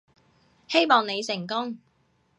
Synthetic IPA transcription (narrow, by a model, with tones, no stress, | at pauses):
he˥jmɔː˨ŋne˨˧jsɪ˨˩ŋkʊ˥ŋ